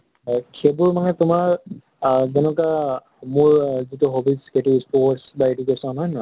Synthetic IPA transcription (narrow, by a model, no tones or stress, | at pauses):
kʰebuɹmanɛtʊmaɹ | zɛnɔka | mʊɹzituɦobisketuspɔsbaedukesɔnɦɔjnɔ